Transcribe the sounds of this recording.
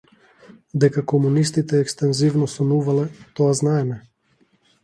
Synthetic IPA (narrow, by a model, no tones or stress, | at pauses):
d̪ɛkakɔmunist̪it̪ɛːkst̪ɛnzivnɔsɔnuvalɛt̪ɔaznaɛmɛ